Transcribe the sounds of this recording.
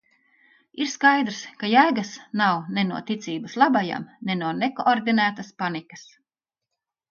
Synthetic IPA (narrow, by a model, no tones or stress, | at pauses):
iɾskajd̪ɾskajaːɡasnawnɛnuɔt̪it̪siːbɐslˠabaja̰mnenuɔnekoʔɔɾd̪inæːt̪aspanikɐs